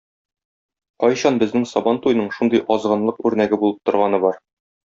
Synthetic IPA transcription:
qɒjɕɑnbɘ̆znɘŋsɒbɑnt̪ujnɤɴʃund̪ɤjʔɒzʁɤ̆nlˠɤqʉɾnæɡɘbulˠɤp̚t̪ŏɾʁɑnɤbɒɾ

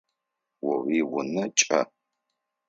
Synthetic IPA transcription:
wɐwiwʊnɐt͡ʃʼɐ̰

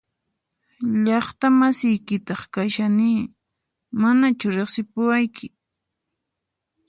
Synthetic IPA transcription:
ʎɑχt̪amasɪjkɪt̪ɑχkaʃanɪː | manat͡ʃʊɾeχsɪpʊwajkʰɪ

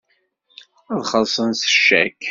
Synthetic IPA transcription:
æðχəsˤənsə̥ʃːæ̰kː

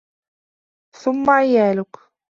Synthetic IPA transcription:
θʊmːaʕɪjaːlʊk

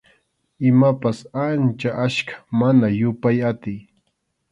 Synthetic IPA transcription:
ɪmapasant͡ʃaʔaʃkḁmanajʊpajat̪ɪj

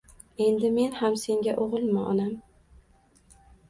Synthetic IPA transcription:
e̞nd̪ɪme̞nhamse̞ŋɡʲaʔoʁɨlˠmɪʔɒ̰nam

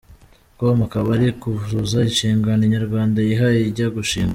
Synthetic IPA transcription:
komakaβaɾikuzuzainʃiːŋɡaneɲaɾɡwaːndajiɦajeiɟaɡuʃiːŋɡa

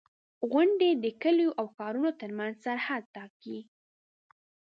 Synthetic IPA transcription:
ɣaɳɖed̪əkəljoʔawxɑɾunot̪əɾmanzsaɾhad̪̚t̪ɑki

